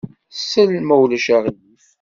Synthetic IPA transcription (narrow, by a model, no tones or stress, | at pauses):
sːəlmæwləʃaʁjif